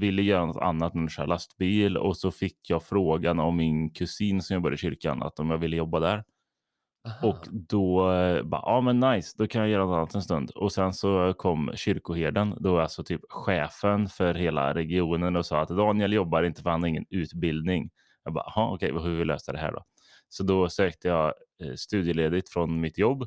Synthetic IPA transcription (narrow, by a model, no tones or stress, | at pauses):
vɪlːəjœːɾanɔt̪ʰa̰nːat̪nɛnsæ̰ːɾlast̪biːlɔ̰sɔfɪkʰːjɑːɡfɾoːɡanɔmːɪnkʰɵsiːnsɔmjɑɡbœɾjd̪ɕʏɾka̰na̰t̪ːɔmjɑːɡvɪlːəjɔbːad̪æɾ | ɔkd̪ɔbɑ̰ːʔɑːmɛnːajsd̪ɔkʰanjajœːɾanɔt̪anːat̪ɛnst̪ɵnd̪ɔsɛnsɔkʰɔmːɕʏɾkʊheːd̪ənd̪ɛalsɔt̪ʰyːpɧɛːfənfœɾɦeːla̰ɾɛɡɪuːnənɔsɑ̰ːat̪d̪ɑːnjɛljɔbːaɾɪnt̪ə̥fœɾhanaɾɪŋːənʉ̟ːt̪bɪld̪nɪŋ | jɑɡbɑ̰ːhɑɔkʰɛjvaɦʉɾvɪllø̰ːsad̪ɛɦæ̰ːɖɔ̰ | sɔd̪ɔsøːk̚t̪əjɑː | st̪ʉ̟ːd̪jəleːd̪ɪt̪fɾɔnmɪt̪jɔbː